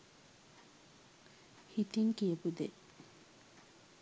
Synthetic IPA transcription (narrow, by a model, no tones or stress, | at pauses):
hit̪iŋkijəpud̪e